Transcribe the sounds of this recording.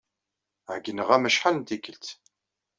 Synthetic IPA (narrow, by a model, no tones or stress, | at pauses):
ʕɡənəʁæməʃħalnt̪ikəlt̪